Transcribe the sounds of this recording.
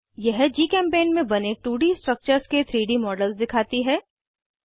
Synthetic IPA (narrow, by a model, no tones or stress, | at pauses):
jɛɦd͡ʒiːkɛ̃ːmpeːnmẽbɐneʈuːɽisʈɾək̚t͡ʃəɾsket̪ʰɾiːɖimɔːɖəlsd̪ɪkʰaːt̪iɦɛː